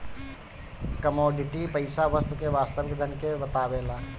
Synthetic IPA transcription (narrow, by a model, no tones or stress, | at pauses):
kəmoːɖɪʈipəɪsaʋəst̪ukeʋaːst̪əʋɪkd̪ʱənkebət̪aːʋeːlaː